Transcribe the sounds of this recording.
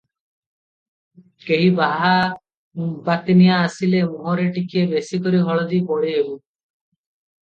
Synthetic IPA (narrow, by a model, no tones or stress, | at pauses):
keɦibaɦa | bat̪nijaːsilemuɦɔɾeʈikiebesikɔɾiɦɔɭɔd̪ipɔɽiɦebu